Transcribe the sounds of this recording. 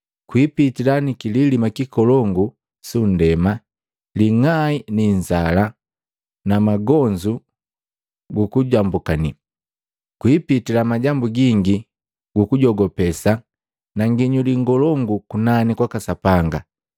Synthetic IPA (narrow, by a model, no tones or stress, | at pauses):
kwipitilanikililimakikɔlɔŋɡu | sun̩dɛma | liŋainiɲzala | namaɡɔɲd͡ʒu | ɡukuɟambukani | kwipitilamaɟambuɡiŋɡi | ɡ̥ukuɟɔɡɔpɛsa | naŋɡiɲuliŋɡɔlɔŋɡukunanikwakasapaŋɡa